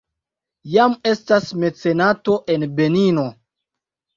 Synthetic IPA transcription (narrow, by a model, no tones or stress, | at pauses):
jame̞stasme̞t͡se̞nato̞ʔe̞nbe̞nino̞